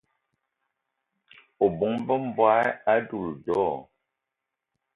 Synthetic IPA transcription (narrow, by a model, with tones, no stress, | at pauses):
o˨bɔ˨˦ŋ˦bə˦m̩˦˨bwa˦a˦du˦˨ldɔː˦˨